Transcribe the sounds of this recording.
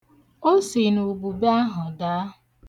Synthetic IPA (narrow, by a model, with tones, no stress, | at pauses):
o˦si˨nu˨bu˨ba˦ɦʊ˨da˨˦˨